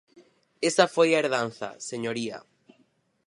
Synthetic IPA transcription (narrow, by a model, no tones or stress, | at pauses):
esɐfojaeɾðan̟θɐ̰seɲoɾiɐ̰